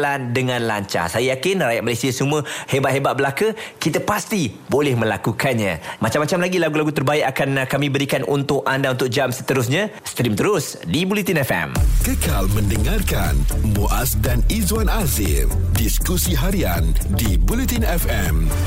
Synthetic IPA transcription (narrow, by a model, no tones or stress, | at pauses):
landəŋãnlaɲt͡ʃa̰sajajakɪnraja̰ʔ̚malasiasumə̃hebaʔɦebaʔ̪̚bəlakəkit̪əpast̪i | bolɛhmə̃lakukanɲãmat͡ʃamːat͡ʃamlaɡilaɡulaɡut̪ərbaɪʔakankamĩbəɾikanʔṵnt̪ʊkandaunt̪ʊk̚d͡ʒamsə̥t̪əɾʊs̬ɲãst̪ɾimt̪əɾʊs | dibulit̪inɛfɛ̰mkəkalmə̃ndəŋarkanmuʔasdanizwanazɪ̰mdiskusiɦaɾiandibulit̪inɛfɛm